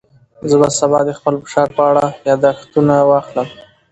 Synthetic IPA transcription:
zəbasabɑd̪əxpəlfə̥ʃɑɾpəaɽajɑd̪axt̪unawɑxləm

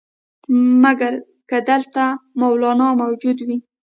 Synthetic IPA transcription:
maɡaɾ | kəd̪əlt̪amawlɑnɑmawd͡ʒud̪wi

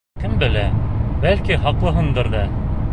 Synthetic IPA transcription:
kɘmbɘ̆læbælkiɦɑqlˠɤ̆ɦɤnd̪ɤɾðɑ

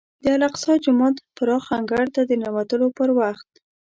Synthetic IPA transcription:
d̪əalaqsɑd͡ʒʊmɑt̪paɾɑxaŋɡaɽt̪ad̪ənawat̪əlopəɾwaxt̪̚

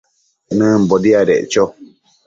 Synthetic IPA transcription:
nɨ̃mbodiaɾeʔt͡ʃo

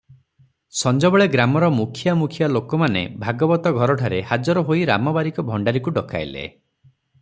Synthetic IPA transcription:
sɔnd͡ʒɔbɔɭeɡɾamɔɾɔmukʰijamukʰjalokɔmanḛbʱaɡɔbɔt̪ɔɡʱɔɾɔʈʰaɾehad͡ʒɔɾɔɦoiɾa̰mɔbaɾikɔbʱɔɳɖaɾikuɖɔka̰jlḛ

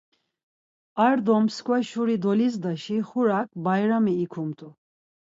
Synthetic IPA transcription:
aɾd̪ɔmskʰʼwɛʃuɾid̪ɔlizd̪aʃiχuɾak̚ʼbajɾamiːkʰumt̪ʼu

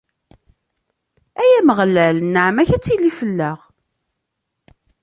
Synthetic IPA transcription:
æjæməʁlːælnːəʕmæçæt͡sːilifəlːəʁ

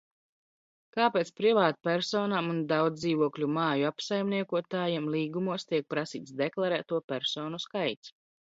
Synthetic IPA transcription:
kaːpeːt̪spɾivaːt̪̚pʲæɾsɔːnamund̪awd̪ziːvuɔklʲumaːjuapsajmniɛkuɔt̪aːjimlˠiːɡumuɔst̪iɛk̚pɾasḭːt̪sd̪eklˠaɾæːt̪uɔpʲæɾsɔːnuskajt̪s

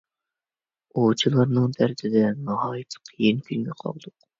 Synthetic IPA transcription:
ot͡ʃʰilˠɑɾnɨŋd̪æɾd̪ɪd̪ɛnɑɦɑːjit̪ʰqʰːijinkʲʰynʲmʲɛqʰɑ̰lˠd̪ʊq

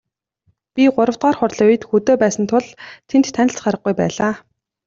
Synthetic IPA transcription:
pʲiɢʊɾə̆w̥t̪ɢaːrχʊrɮʊj̆t̪xɵt̪oːpæːsə̆nt̪ʰʊɮt̪ʰent̪ʰːænʲɪ̆ɬt͡sχaɾə̆χ̚ɡujpæ̰ːɮaː

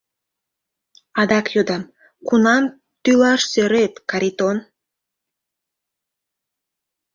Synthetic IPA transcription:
ɑd̪ɑkjod̪ɑm | kunɑm | t̪ylɑʃseɾet̪kɑɾʲit̪on

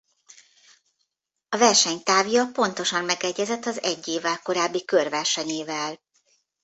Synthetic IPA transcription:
ɒvɛrʃɛɲt̪aːvjɒpo̞nt̪o̞ʃɒmmɛɡɛɟːɛzɛt̪ːɒzɛɟːeːvɛlko̞ɾaːbːikørvɛrʃɛɲeːvɛl

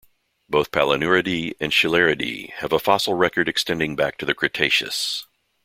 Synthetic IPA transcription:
b̥oʊθpʰælˠənʉɹɨɾiɨ̰̃nʃɨlɛɹɨɾḭɨvəfɑsl̩ˠɹɛkə˞ɾɨkstɛ̃ndɪ̃ŋbæk̚tʰɨðɨkʰɹ̥ɨtʰeɪʃɨ̰s

